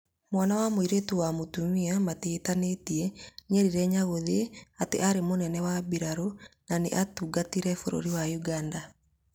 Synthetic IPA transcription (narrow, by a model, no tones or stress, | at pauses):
mwanawamoiɾetuwamotumiamatetanetiɛɲɛɾiɾɛɲaɣoðeateʔaɾemonɛnɛwabiɾaɾonanḛʔatuɡatiɾɛfoɾo̰ɾiwajuɡanda